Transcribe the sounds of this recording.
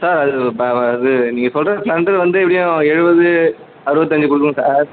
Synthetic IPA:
saːɾɐðɯːðɯniːŋɡɐsɔlrɐpɭɐɳʈɐðʋɐnd̪ɯɛpːɐɽɪjʊ̃ɛɻɯbɐðɯ | ɐɾɯbɐt̪̬ːɐɲd͡ʒɯkʊɽɯkːɯ̃saːɾ

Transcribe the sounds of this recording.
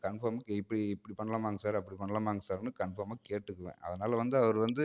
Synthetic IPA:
kɐɳfɐːɾmaːkɪpːɐɽiɪpːɐɽipɐɳːɐlãːmaːŋɡɐsaːɾɐpːɐɽipɐɳːɐlaːmaːŋɡɐsaːɾnɯkɐɳfɐːɾmaːkeːʈːɯkːɯʋḛ̃ːʔɐ̰ðɐnaːlɐʋɐnd̪ɯɐʋɐɾɯʋɐnd̪ɯ

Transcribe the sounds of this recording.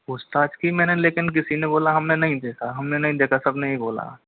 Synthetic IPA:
ʊst̪aːd͡ʒkimɛ̃ːneleːkɪnk̬ɪsineboːlaɦɐmnenɐɦĩd̪eːkʰaɦɐmnenɐɦĩd̪eːkʰasɐbneɦĩboːla̰

